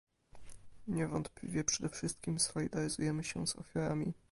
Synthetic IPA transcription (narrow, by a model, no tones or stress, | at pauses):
ɲɛvɔnt̪plʲḭvʲjɛpʂɛd̪ɛfʂɘst̪̚kʲimsɔlʲid̪aɾɘzujɛmɘɕɛ̰z̥ɔ̰fʲjaɾamʲḭ